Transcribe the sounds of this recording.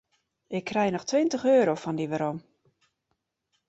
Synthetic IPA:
ʔɪkʰːrɛjnɔxtʋɪntəχøːɾowfɔndiʋəɾom

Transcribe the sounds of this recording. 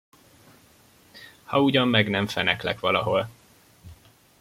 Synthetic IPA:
hɒuɟɒmːɛɡnɛɱfɛnɛklɛ̰kʋɒlɒɦo̞l

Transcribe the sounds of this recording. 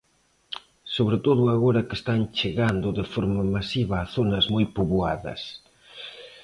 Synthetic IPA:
soβɾɪt̪oðʊaɣoɾɐkest̪ant͡ʃeɣand̪ʊðɪfoɾmɐmasiβɐːθonɐzmojpoβuaðɐ̰s

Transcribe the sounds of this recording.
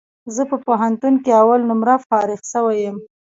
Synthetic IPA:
zəpəpoɦant̪unkeawalnʊmɾafɑɾɪɣʃəwajəm

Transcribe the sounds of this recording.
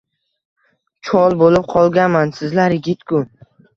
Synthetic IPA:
t͡ʃʰɒlˠbolɪp̚qʰɒlˠɡʲanmansɪzlaɾjɪɡʲɪt̪kʰʊ

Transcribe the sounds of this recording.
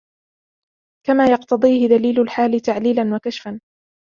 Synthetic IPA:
kamaːjɑqt̪ɑd̪ˤiːhɪd̪aliːlʊlħaːlɪt̪aʕliːlanwakaʃfan

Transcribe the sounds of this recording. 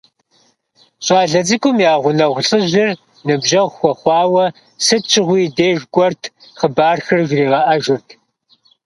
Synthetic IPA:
ɕʼɑːɮɐd͡zɨkʷʰʼʊmjaːʁʷʊnɐʁʷɬʼɨʑɪr | nɨbʒɐʁʷxʷɔχʷɑːwɐ | sɨt͡ʃʰɪʁʷiːdeːʒɡʷʼɔrtʰ | χəbaːrxɨrʒriːʁɐʔɐʒɪrtʰ

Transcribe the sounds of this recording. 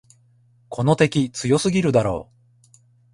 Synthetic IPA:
kʰo̞no̞t̪e̞kʲit͡sɨjo̞sɨɡʲiɾɯ̟d̪aɾo̞̰ː

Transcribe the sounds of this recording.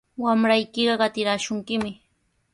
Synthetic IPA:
wamɾajkɪɢɑɢɑt̪ɪɾaːʃʊŋkɪmɪ

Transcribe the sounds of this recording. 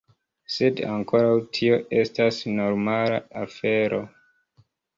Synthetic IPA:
se̞da̰ŋko̞ɾawtʰio̞ʔe̞stasno̞ɾmala̰afe̞ɾo̞

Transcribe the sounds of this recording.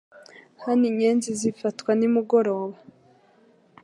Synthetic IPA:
haniɲeːnzizifatkwanimuɡo̞ɾo̞ːβa

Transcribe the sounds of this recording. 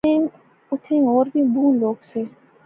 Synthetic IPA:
ẽː | ʊt̪ʰẽːoːɾbʱiːbuːnloːɡseː

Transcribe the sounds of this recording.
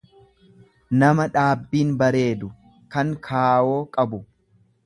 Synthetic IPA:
nɐmɐᶑaːbːiːnbɐɾe̞ːd̪ʊ | kɐŋkʰaːwo̞ːkʼɐbʊ

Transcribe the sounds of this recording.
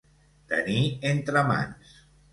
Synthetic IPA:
t̪ə̰nient̪ɾama̰ns

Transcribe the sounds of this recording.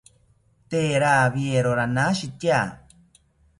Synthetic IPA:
t̪eɾaβieɾoɾanaʃit̪ja

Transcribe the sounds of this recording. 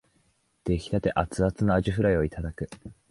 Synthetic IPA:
d̪̥e̞çʲi̥t̪at̪e̞ʔat͡sɨat͡sɨnoaʑiɸɯ̟ɾaio̞it̪ad̪akɯ̟

